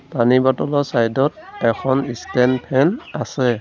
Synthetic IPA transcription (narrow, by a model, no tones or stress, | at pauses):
panibatɔlɔsajdɔtɛkʰɔnistɛnpʰɛnasɛ